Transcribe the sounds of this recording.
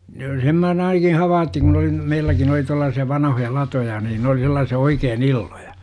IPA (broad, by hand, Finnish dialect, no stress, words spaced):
jo sem mæ oːn ɑinɑki hɑʋɑːtːiŋ kun oli meilːækin oli tuɑlːɑːsiɑ ʋɑnɑhojɑ lɑtojɑ niːn n oli selˑɑːsiɑ oikeːn ilːoj̊ɑ̥